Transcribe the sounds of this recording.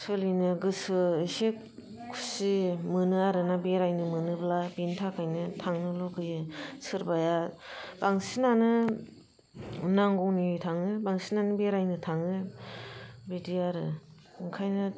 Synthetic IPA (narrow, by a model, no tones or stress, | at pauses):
sɯlinɯɡɯsɯisek | kʰu̥simɯnɯaɾɯnabeɾajnɯmɯnɯblabintʰakʰajnɯtʰaŋnɯlɔkʰɯjɯsɯɾbajab̥aŋsinanɯ | naŋɡɔŋnitʰaŋɯbaŋsinanɯbeɾajnɯtʰaŋɯ | bidiaɾɯ | ɯŋkʰajna